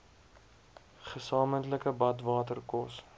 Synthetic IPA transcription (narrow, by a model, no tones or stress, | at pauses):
χəsɑːməntləkəbɐtvɑːtərkɔs